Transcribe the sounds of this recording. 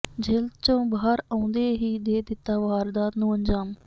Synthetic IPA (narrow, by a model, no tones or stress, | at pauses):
d͡ʒelt͡ʃõːbaːɦəɾãːnd̪eːɦiːd̪eːd̪ɪt̪ːaːʋaːɾd̪aːt̪nũːəɲd͡ʒaːm